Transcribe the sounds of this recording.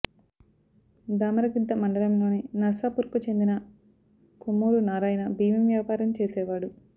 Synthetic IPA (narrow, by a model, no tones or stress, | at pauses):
d̪aːmɐɾɐɡid̪ːɐmɐɳɖɐlɐmlo̞ːninɐɾsaːpuɾkut͡ʃe̞nd̪inɐ | kumːuːɾunaːɾaːjnɐbiːmimjaːpaːɾɐmt͡ʃeːsɛːʋaːɽu